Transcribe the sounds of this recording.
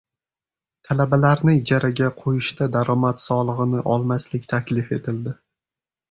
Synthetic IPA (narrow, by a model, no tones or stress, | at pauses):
t̪ʰalabalaɾnɪɪd͡ʒaɾaɡʲaqʰojɪʃt̪ad̪aɾɒmat̪sɒlˠɨʁɨnɪʔɒlˠmaslɪkʲt̪ʰakʲlɪfe̞t̪ʰɪld̪ɪ